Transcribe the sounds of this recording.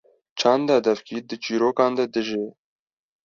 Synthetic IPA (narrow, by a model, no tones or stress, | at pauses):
t͡ʃʰɑːnd̪ɑːd̪ɛfkiːd̪ɨt͡ʃiːɾoːkɑːnd̪ɛd̪ɨʒe